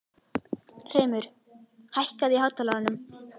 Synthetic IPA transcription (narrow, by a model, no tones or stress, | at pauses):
r̥eːjmʏɾ̥ | hajhkaðihawt̪alaɣanʏm